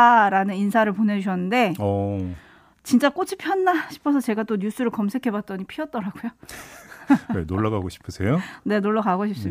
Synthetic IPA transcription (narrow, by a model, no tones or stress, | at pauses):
ɾanɯninsʰaɾɯɭpone̞d͡ʑuɕʰʌnːɯnde̞ʌ | t͡ɕint͡ɕ͈ak͈ot͡ɕʰipʰjʌnːaɕʰi̥pʰʌsʰʌt͡ɕe̞ɡat͈oɲus͈ɯɾɯɭkʌmsʰe̞kʰe̞bat̚t͈ʌɲipʰiʌt̚t͈ʌɾaɡujo | enoɭːaɡaɡoɕʰi̥pʰɯsʰe̞jone̞noɭːʌɡaɡoɕʰip̚s͈ɯ